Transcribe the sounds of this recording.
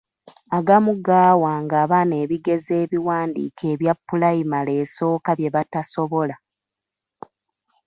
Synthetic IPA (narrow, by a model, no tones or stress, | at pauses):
aɡamuɡaːwaːŋɡaːβane̞ːβiɡe̞ze̞ːβiwaːndḭːkʰe̞ːβjapːulaimale̞ːso̞ːkaβje̞βataso̞βo̞la